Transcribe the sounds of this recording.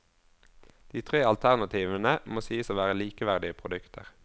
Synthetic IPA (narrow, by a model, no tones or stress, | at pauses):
d̪̥iːt̪ʰʁeːɑlt̪ʰæʁnɑt̪ʰiːʋənəmoːsiːəsoːʋæːʁəliːkəʋæʁd̪ɪəpʰʁʊd̪ʉkt̪ʰə̰ʁ